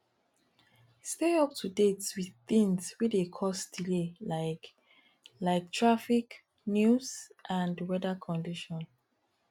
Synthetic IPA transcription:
steɔp̚tʰudetswiðθĩŋswidekʰɔsdilelaɪk | laɪk̚tʰɹafik | njusʔãndwɛdakʰɔ̃ndiʃɔ̃n

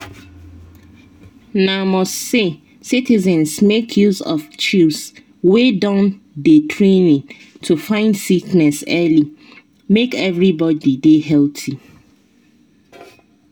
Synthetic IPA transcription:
namɔstse | sitizɛ̃nsmekʰjuzɔ̰ft͡ʃus | wedãn | detʰɹenĩŋ | tʰufãɪ̃ndsiknɛsɛli | mekɛvɹibɔdideɦɛltʰi

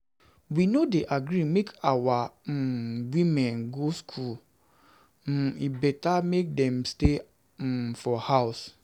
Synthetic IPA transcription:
winodeʔaɡɾimekʰawa | wĩmɛ̃nɡoskʰul | ibɛtamek̚dɛ̃mste | fɔhaʊs

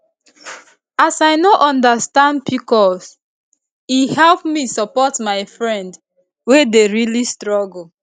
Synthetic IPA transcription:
asajnoʔɔ̃ndastãndbikɔs | ihɛlpmisɔpɔtmaɪfɹɛ̃nd | wedeɹilistɹɔɡl̩

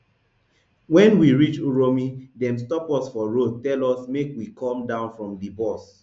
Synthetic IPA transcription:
wɛ̃nwiɹit͡ʃuɹomidɛ̃mstɔpɔsfɔɹod̚tɛlɔsmekwikʰɔ̃mdãʊ̃nfɹɔ̃mdibɔs

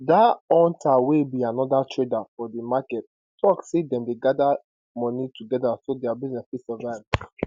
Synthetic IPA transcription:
daɔ̃ntʰawebianɔdatʰɹedafɔdimakɛt̚ | tɔksedɛ̃mdeɡada | mɔnituɡɛdasodɛabiznɛsbisɔvaɪv

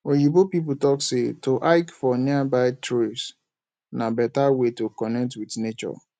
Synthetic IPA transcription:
ojibopip̬utɔksetʰoʔaɪkfɔniabaɪtʰɾes | nãbɛtawetokɔnɛk̚twitnet͡ʃɔ̰

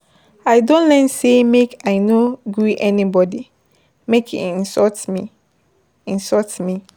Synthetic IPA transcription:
aɪdõntlɛ̃nsemekaɪnoɡuʔɛnibɔdi | mekḭĩnsɔtmi | ĩnsɔtmi

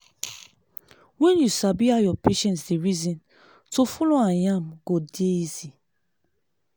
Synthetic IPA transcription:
wɛ̃njusabiajɔpʰeʃɛ̃ntsdeɹizĩn | tofuloãjãmɡodeizi

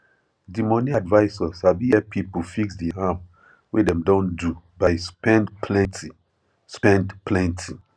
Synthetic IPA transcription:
dimɔ̃niadvaɪsɔsabiɛpʰipufiksdiam | wedɛ̃mdɔ̃ndu | baɪspɛ̃ndpʰlɛ̃nti | spɛ̃ndplɛ̃ntʰi

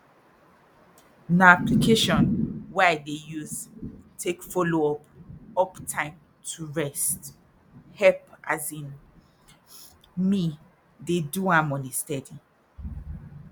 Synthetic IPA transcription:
naaplikʰeʃɔ̃nwɛadejuztʰekfɔloɔpɔptʰãɪ̃m | tʰuɹɛst | hɛpazĩn | mi | deduãmɔ̃nistɛdi

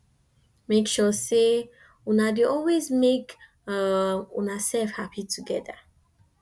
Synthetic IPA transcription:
mekʃɔse | unadeɔlwezmek | unasɛlfhapʰitʰuɡɛða̰

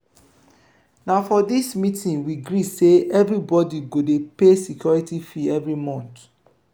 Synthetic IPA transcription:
naʊfɔdismitĩnwiɡɹiseɛvɹibɔdiɡodepesikjɔɹitifiɛvɹimɔ̃nt

